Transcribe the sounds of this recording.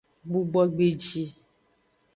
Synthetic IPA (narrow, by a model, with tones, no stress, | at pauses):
ɡ͡bu˦ɡ͡bɔ˦ɡ͡be˨d͡ʒi˦